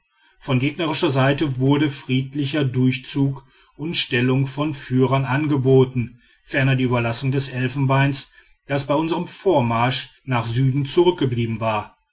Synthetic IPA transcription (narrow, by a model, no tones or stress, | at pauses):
fɔnɡeːɡnɐʁɪʃɐzaɪtəvʊɐdəfʁ̥iːtlɪçɐdʊɐçt͡suːk | ʔʊntʃtɛlʊŋfɔnfyːʁɐnʔanɡəboːtn̩ | fɛɐnɐdiːʔyːbɐlasʊŋdɛsʔɛlfn̩baɪns | d̥asb̥aɪʊnzəʁəmfoːɐmaɐʃnaːχzyːdn̩t͡suʁʏk̚ɡ̥əbliːbm̩vaːɐ